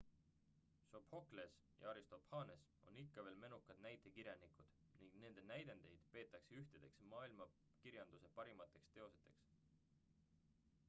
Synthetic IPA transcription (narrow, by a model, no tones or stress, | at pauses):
so̞pho̞kles | jɑ̰ɑɾist̪o̞phɑːneso̞̰nikːɑve̞ːlme̞nukːˑɑd̪̥næjt̪ˑe̞kiɾjɑnikud̪̥ | niŋɡ̥ne̞nd̪̥e̞næjd̪e̞nd̪e̞jd̪̥pe̞ːt̪ːˑɑkseyht̪ed̪̥e̞ksemɑːilmɑ | kiɾjɑnd̪̥use̞pɑɾimɑt̪ːˑe̞kst̪e̞o̞set̪ːˑe̞̰ks